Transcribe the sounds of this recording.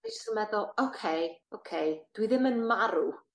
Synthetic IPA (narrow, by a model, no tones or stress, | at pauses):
isəmɛðɔlˠokʰejowkʰejd̥wiðɪmənmaɾu